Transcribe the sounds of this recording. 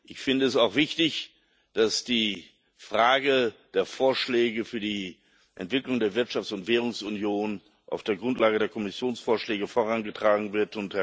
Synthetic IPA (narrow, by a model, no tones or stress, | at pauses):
ʔɪçfɪndəɛsaʊxv̥ɪçtɪç | d̥asd̥iː | fʁ̥aːɡəd̥eːɐfoːɐʃlɛːɡəfyːɐdiː | ʔɛ̰ntv̥ɪklʊŋdeːɐvɪɐtʃaft͡sʊntv̥ɛːʁ̞ʊŋsʊnjoːn | ʔa̰ʊfd̥eːɐɡʁʊntlaːɡədeːɐkʰɔmɪsjoːnsfoːɐʃlɛːɡəfoːʁanɡətʁ̥aːɡŋ̩vɪɐtʊnth